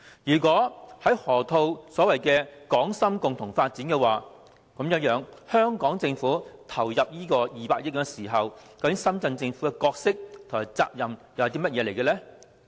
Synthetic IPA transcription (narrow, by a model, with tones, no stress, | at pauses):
jyː˨˩kwɔː˨˥hɐ˨˥jhɔː˨˩t̪ʰo˧wsɔː˨˥wɐ˨jkɛ˧kɔː˨˥ŋsɐ˥mkʊ˨ŋt̪ʰʊ˨˩ŋfaː˧t̚t͡siː˨˥nkɛ˧waː˨˩ | kɐ˨˥mjɐ˨˧˥jœː˨˥ŋhœː˥ŋkɔː˨˥ŋt͡sɪ˧ŋfuː˨˥t̪ʰɐ˨˩wjɐ˨p̚jiː˥kɔː˧jiː˨paː˧k̚jɪ˥t̚kɐ˧siː˨˩ɦɐ˨wkɐ˧˥kɪ˨˥ŋsɐ˥mt͡sɐ˧nt͡sɪ˧ŋfuː˨˥kɛ˧kɔː˧k̚sɪ˥k̚t̪ʰʊ˨˩ŋmaː˨˩t͡sa̰ː˧p̚jɐ˨mjɐ˨˧wt̪̬iː˥mɐ˥t̚jɛː˨˧ljkɛ˧lɛ˥